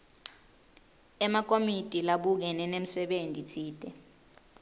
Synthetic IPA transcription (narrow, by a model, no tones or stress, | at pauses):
ɛmak̬ʼomid̥ʼʱilaɓuk̬ɛnɛnem̩sɛɓentʼitʰiːd̥ʱʼɛ